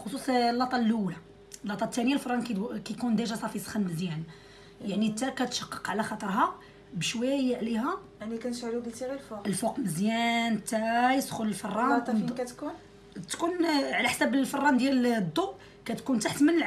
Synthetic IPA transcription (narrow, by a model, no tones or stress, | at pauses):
xosˤusˤlːɑt̪ˤɑlʔula | lːɑt̪ˤːɑt̪ːænəjalfɑrˤɑnkkækund̪æʒɑsˤɑfisˤə̥xənməzjæn | jaʕnit̪ːækæt̪ʃɑ̥qːəqʕalæxɑt̪ˤəɾˤɦɑ | bəʃwæjʕlihæjaʕnikænʃʕlubəlt̪iɣalfuqəlfuqməzjænt̪ːæjəsxʊləlfɑrˤːɑkæt̪kun | t̪kunʕlæħsæbəlfɑrˤːɑnd̪jæld̪ˤːuʔ | kæt̪kunt̪aħt̪mənəlʕ